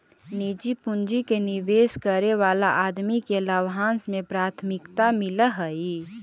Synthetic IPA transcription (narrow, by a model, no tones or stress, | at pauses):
nid͡ʒipʊnd͡ʒikeniʋeːskəɾeʋaːlaʔaːd̪mikeləʋɦãːnsmẽpɾaːt̪ʰmɪkt̪amɪləɦəi